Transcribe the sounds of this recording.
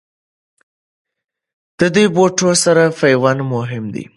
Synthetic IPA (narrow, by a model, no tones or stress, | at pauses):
d̪̥əd̪ujboʈosaɾafajwanmʊɦɪmd̪ḭ